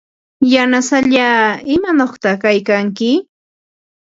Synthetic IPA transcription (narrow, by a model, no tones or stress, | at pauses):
janasaʎaːɪmanoχt̪ɑkajkaŋkɪ